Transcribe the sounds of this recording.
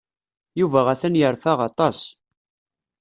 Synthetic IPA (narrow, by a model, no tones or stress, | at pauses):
juvæʁæθænjəɾfaʁɑt̪ˤɑs